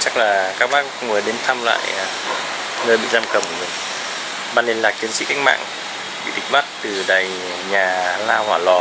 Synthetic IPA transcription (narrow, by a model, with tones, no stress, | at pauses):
t͡ɕa˦˥k̚laː˨˩kaː˦˥k̚ɓaː˦˥kkʊ̰˧˥ŋ͡mvəː˨˦ɗe˨˧˦nt̪ʰa˧mla̰ː˧˨j | nəː˧jɓḭ˧˨zaː˧mkə˨˧˩mkmi˨˩ŋ | ɓaː˧nle˧nlaː˨˩k̚t͡ɕi˨˦ənsḭ˦˥ka˧ŋ̚ma̰ː˧˨ŋ | ɓḭ˧˨t̪ï˨˩k̟̚ma˦˥t̚t̪ɨ˨˩ɗaː˨˩j | ɲaː˨˩laː˧whwaː˧˩lɔ˨˩